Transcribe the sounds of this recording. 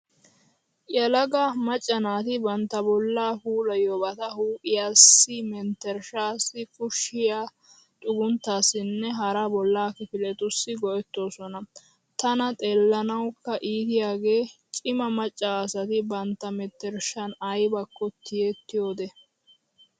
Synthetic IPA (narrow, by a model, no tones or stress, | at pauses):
ʔjɛlɐɡɐmɐt͡ʃʼːɐnaːt̪ɪbɐnt̪ːɐbɔlːaːpuːlɐjobɐt̪ɐhuːʔɪjaːsːɪmɛnt̪ːɛɾʃaːsːɪkʼʊʃːɪjaː | t̪ʼʊɡʊnt̪ːaːsːɪnːɛɦɐɾɐbɔlːaːkɪfɪlɛt̪ʊsːɪɡɔʔɛt̪ːo̞ːsɔnɐ | t̪ɐnɐt̪ʼeːlːɐnɐwkːɐʔiːt̪ɪjaːɡe̞ːt͡ʃʼɪmɐmɐt͡ʃʼːaːsɐt̪ɪbɐnt̪ːɐmɛt̪ːɛɾʃɐnɐjbɐkːɔt̪ɪjɛt̪ːɪjo̞ːd̪ɛ